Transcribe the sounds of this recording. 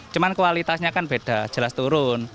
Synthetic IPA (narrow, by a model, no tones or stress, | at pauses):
t͡ʃumankwalit̪asɲakanb̥eɖ̥a̤d̥ʒ̥ə̤last̪uɾʊn